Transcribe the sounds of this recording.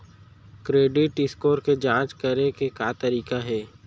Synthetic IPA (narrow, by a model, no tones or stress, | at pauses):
kɾeːɖɪʈɪskoːɾked͡ʒãːt͡ʃkɐɾekekaːt̪ɐɾiːkaɦɛː